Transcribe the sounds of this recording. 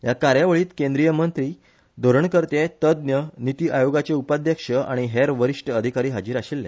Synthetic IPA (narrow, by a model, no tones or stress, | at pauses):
jakaɾjaʋəɭiːt̪kẽnd̪ɾijəmənt̪ɾiː | d̪ʱoɾəɳkəɾt̪et̪əd̪njənit̪iːʔajoɡat͡seupad̪jəkʂəʔa̰ɽ̃iɦeɾʋəɾiʂʈəəd̪ʱikaɾiːɦad͡ʑiːɾaɕilːḛ